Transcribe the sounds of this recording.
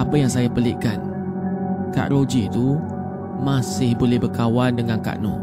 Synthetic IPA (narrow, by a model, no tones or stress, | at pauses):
apajaŋsajapəlɪʔkan | ka̰ʔɾod͡ʒit̪u | mãsɪhbolɛhbərkawandəŋãnka̰ʔnɔ̰